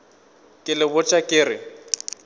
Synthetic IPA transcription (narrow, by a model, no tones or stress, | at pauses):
kʼɪlɪbʊt͡ʃʼakʼɪːrɪ